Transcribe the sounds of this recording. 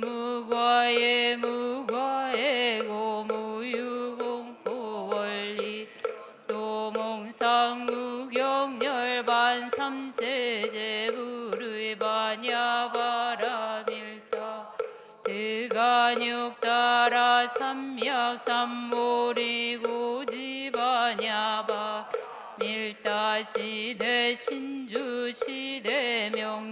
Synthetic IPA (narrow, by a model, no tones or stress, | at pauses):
muɡwajemuɡwaeɡomujuɡoŋpowʌɭːi | t̪omoŋsʰaŋːuɡjʌŋɲʌɭbansʰamsʰed͡ʑebuɾɯibaɲabaɾamiɭt̪a | t̪eɡaɲok̚t̪͈aɾasʰamjak̚sʰamoɾiɡod͡ʑibaɲaba | miɭt͈aɕʰid̪eɕʰind͡ʑuɕʰid̪emjʌŋ